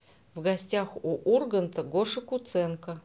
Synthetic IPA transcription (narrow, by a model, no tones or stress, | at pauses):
vɡɐsʲtʲaxuʔurɡənt̪əɡoʂɨkʊt̪sɛnkə